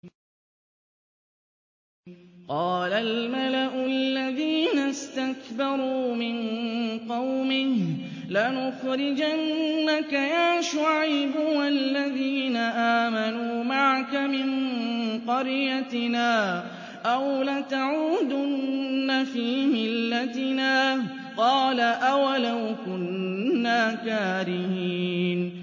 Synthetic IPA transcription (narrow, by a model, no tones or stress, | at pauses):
qɑːlalmalaʔʊalːaðiːnast̪akbɑɾˤuːmɪnqɑwmɪh | lanʊxɾɪd͡ʒanːakajaːʃʊʕajbʊwalːaðiːnaʔaːmanuːmaʕakamɪnqɑɾjat̪ɪnaː | ʔawlat̪aʕuːd̪ʊnnːafiːmɪlːat̪ɪnaː | qɑːlaʔawalawkʊnːaːkaːɾɪhiːn